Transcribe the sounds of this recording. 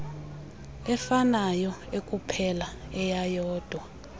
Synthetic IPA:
ɛfanajɔekʼupʰɛlaɛjajɔːd̥ʱwa

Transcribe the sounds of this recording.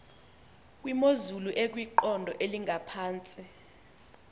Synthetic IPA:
k̬ʼwimozuluʔɛk̬ʼwiǃɔndʱɔʔeliŋʱapʰaːnt͡sʼi

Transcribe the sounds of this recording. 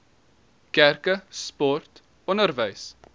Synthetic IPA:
kærkəspɔrt | ɔnərvəjs

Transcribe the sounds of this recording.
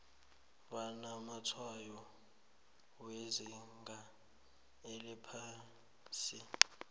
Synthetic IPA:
βanamatʰwajɔ | weziŋɡʱa | elɛpʰaː | si

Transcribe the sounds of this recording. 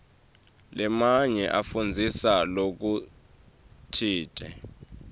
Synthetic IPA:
lɛmaɲɛʔafund͡zʱisalok̬u | tʰiːtʼɛ

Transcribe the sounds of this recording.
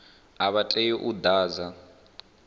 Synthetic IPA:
aβatʼɛjiʔud̪aːza

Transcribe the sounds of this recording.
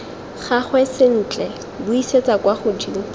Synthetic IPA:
χaχwɛsɪn̩t͡ɬʼɛ | bʊiset͡sakwaχʊd͡ʒiŋ̩

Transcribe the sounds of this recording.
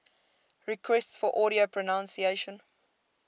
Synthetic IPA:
ɹikʰwɛstsfɔʔɔːɾiopʰɹənãnsieʃə̃n

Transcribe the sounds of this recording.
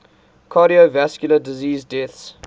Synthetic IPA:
kʰaɾiovæskjulədiziːzdɛθs

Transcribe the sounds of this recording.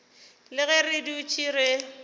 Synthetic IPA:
lɪɣɛrɪdiʊt͡ʃʰʼiɾe

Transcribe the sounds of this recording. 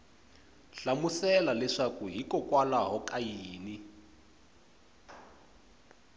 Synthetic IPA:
ɬamusɛlalɛʂakuɦikɔkwalaɦɔkʼajiːni

